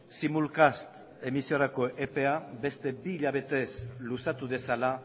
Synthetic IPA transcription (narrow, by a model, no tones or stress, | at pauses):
simulkast̪ | e̞misioɾako̞ʔepe̞abe̞st̪e̞biːʎaβ̞e̞t̪e̞slusat̪uðe̞sala